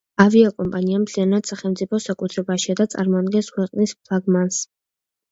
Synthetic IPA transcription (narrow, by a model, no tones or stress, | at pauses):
aviakʼɔmpʼaniamt̪ʰlianad̪saχɛlˠmt̪sʼipʰɔsakʼut̪ʰɾɛbaʃiad̪at̪sʼa̰ɾmɔad̪ɡɛnskʰwɛqʼnispʰlˠaɡmans